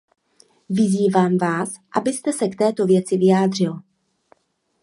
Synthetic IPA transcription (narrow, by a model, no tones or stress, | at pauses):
vɪziːvaːmvaːs | ʔabɪst̪ɛsɛkt̪ɛːt̪o̞vjɛt͡sɪvɪjaːd̪r̝ɪl